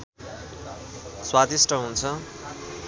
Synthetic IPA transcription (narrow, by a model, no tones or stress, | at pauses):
swad̪isʈʰʌɦunt͡sʰʌ